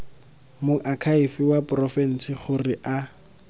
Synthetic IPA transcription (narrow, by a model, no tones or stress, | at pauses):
mʊʔakʰaifɪwapʊrɔfɛn̩sɪχʊrɪʔa